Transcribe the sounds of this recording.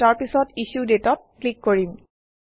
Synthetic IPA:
taɹpisɔtiʃudetɔt̚klikːoɹim

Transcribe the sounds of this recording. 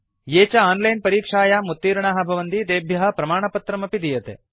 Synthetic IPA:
jeːt͡ʃɐaːnlɐjnpɐɾiːkʂaːjamut̪ːiːɾɳaːɦɐ̆bʱɐʋɐnd̪id̪eːbʱjɐɦɐ̆pɾɐmaːɳɐpɐt̪ɾɐmɐpid̪ijɐt̪e

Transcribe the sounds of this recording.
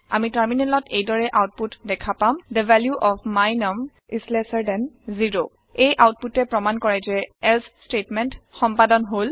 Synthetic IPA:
a̰mitaɹminɛnlɔtʰejdɔɹɛʔawt̚putdɛkʰapamd̪əvʱɛljuʔɔpʰmajnɔm | izlɛsəɹdɛnziɹo | ejʔawt̚putɛpɹɔmankɔɹajzɛɛlsstetmɛntxɔmpadɔnɦol

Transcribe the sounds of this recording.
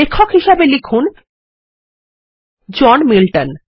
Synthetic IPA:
ekʰːokɦiʃabelikʰun | d͡ʑɔnmilʈan

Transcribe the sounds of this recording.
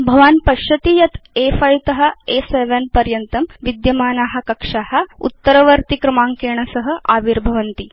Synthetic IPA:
bʱɐʋaːnpɐʃɐt̪ijɐt̪eːfɐjt̪ɐɦɐ̆eseʋɐnpɐɾjɐnt̪ɐmʋid̪jɐmaːnaːɦɐ̆kɐkʂaːhɐṵt̪ːɐɾɐʋɐɾt̪ikɾɐmaːŋkeːɳ̃ɐsɐɦɐ̆ʔaːʋiɾbʱɐʋɐnt̪i

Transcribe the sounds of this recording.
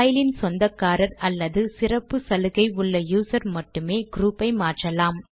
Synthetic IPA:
jɪlɪnsɔnd̪ɐkːaːɾɐɾɐlːɐðɯsɪrɐpːɯsɐlɯɣɐɪʊɭːɐjuːsɐɾmɐʈːɯmeːɡɾuːpːɐɪmaːʈrɐlaːm

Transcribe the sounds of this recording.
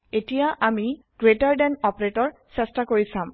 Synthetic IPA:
etijaʔami | ɡ̥ɹetaɹɖɛnɔpɹetɔɹsɛstakoɹisãm

